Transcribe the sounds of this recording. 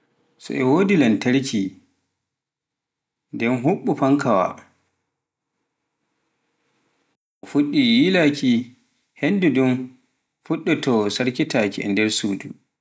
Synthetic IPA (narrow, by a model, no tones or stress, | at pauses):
sɔ̰ʔɛwoːdilantaɾkʰi | ndɛnɦuɓːufaŋkʰawa̰ | ɔfuɗːijiːlakʰi | hendudum | fuɗːɔtɔsaɾkitakiʔɛ̰ndɛɾsuːdṵ